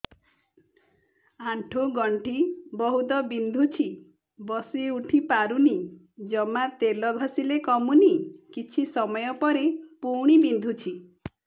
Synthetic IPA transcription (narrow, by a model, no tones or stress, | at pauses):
aɳʈʰoɡɔɳʈʰibɔɦut̪ɔbind̪ʱut͡ʃʰi | bɔsiuʈʰipaɾuni | d͡ʒɔmat̪elɔbʱasilekɔmunikit͡ʃʰisɔmɔjɔpɔɾepuɽ̃ibind̪ʱut͡ʃʰi